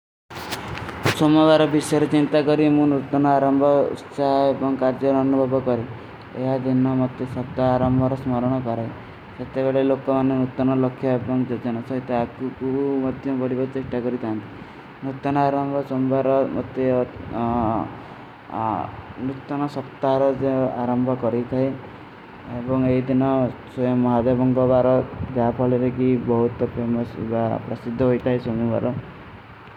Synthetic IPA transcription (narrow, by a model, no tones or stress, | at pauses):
somɔʋaɾbʱisaɾit͡ɕint̪akɔɾimũnut̪ːɔnɔaɾəmbʱɔt͡ʃaeʋɔŋɡkaɾd͡ʒəɾːnubʱɔbɔkɔɾe | ḛɦad̪inːamɔt̪ːjesɔpd̪aːɾambʱɔɾɔsmaɾɽ̃ɔkɔɾai | sət̪ːabeɭelokɔmanːjenut̪ːɔnɔləkʰːjaebɔŋɡd͡ʒəɾd͡ʑanasɔit̪aakukuuməd̪ʱjʌmʋəɽibəɾt͡ɕeʂʈakɔɾit̪ant̪i | nut̪ɔnɔaɾɔmbʱɔsombaɾɔmɔ̰t̪e | nut̪ːɔnɔsɔpt̪aɾɔd͡ʒeaɾɔmbʱɔkɔɾit̪ʰaj | ebɔŋeɦid̪inɔswɔjɔmːɔɦad̪ebɔŋɡɔbaɾɔd͡ʒapʰɔliɾekibɔɦut̪ɔpʰemɔsbapɾɔsid̪ʱːɔɦojt̪ʰaisomuba̰ɾɔ